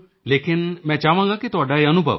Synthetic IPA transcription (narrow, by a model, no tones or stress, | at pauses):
lekinmɛ̃t͡ʃaʋãŋkakit̪ɔɖaeənubʱə̰ʋ